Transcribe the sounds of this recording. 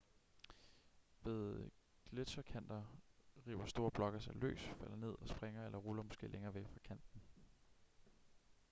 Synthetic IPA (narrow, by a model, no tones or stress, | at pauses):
ʋe̝ðˠ | ɡ̥led̥sɒkʰæn̰d̥ɐʁḭːb̥ɐsd̥o̝ːɐb̥lɒ̽ɡ̥ɐsɑ̈ɪlø̰ːsfæl̰ɐne̝ð̞̰ˠɒ̽sb̥ʁeŋɐelɐʁulɐmɔ̽sɡ̥e̝̰ːleŋɐːʋeɡ̥fʁɑ̈kʰæn̰d̥n̩